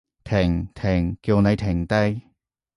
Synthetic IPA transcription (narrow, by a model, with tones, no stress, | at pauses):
t̪ʰɪ˨˩ŋt̪ʰɪ˨˩ŋkiː˧wne˨˧jt̪ʰɪ˨˩ŋt̪ɐ˥j